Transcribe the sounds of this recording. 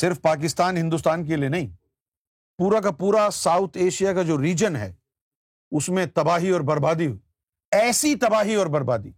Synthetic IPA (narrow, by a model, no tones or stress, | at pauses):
sɪɾfpaːk̬ɪst̪aːnɦɪ̃nd̪ust̪aːnk̬elijenɐɦĩː | puːɾak̬apuːɾasaːʊt̪ʰeːʃijakad͡ʒoːɾiːd͡ʒənɦɛ̰ː | ʊsmẽt̪ɐbaːɦiɔːɾbɐɾbaːd̪iɦoi | ɛːsit̪ɐbaːɦiɔːɾbɐɾbaːd̪iː